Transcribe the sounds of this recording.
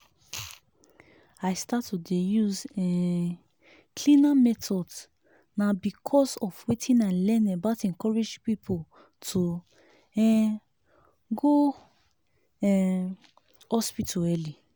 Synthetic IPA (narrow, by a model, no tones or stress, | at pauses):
aɪstatːodejuzɛ̃ | kʰlĩnamɛtɔds | nabikʰɔsɔfwetʰĩnãnlɛ̃nɛbatɛ̃ŋkɔɹed͡ʒpipʰo | tʰo | ɛ | ɡo | ɛ | hɔspitʰaɛli